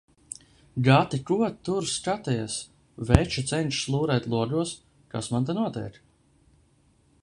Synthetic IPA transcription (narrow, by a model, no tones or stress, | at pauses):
ɡat̪ikuɔt̪ːuɾskat̪ɛjas | vɛt͡ʃut̪sɛnʲt͡ʃslˠuːɾɛːt̪ʲlˠuɔɡuɔs | kasmant̪anuɔt̪ɛ̰ːk